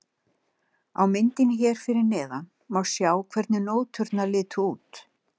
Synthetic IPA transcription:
a̰wmɪnt̪ɪnɪçɛːɾ̥fɪɾɪɾnɛːða | mawsjaːwkʰvɛɾt̪nɪnoːwt̪ʰʏɾt̪nalɪːt̪ʰʏuːt̪

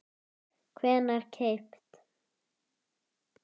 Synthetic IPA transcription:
kʰvɛːnaɾ̥cʰejpt̪

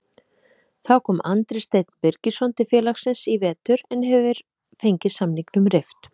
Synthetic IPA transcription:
θawkʰɔːmant̪ɾɪst̪ejt̪npɛɾcɪsɔnt̪ɪfjɛːlaxsɪnsivɛːt̪ʏɾɛnɦɛvvɪɾ̥ | fejɲcɪ̥samniŋknʏmɾeft̪

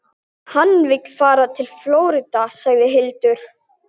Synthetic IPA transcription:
hanːvɪkfaːɾat̪ʰɪlfloːwɾɪt̪asaɣðɪɦɪlt̪ʏɾ̥

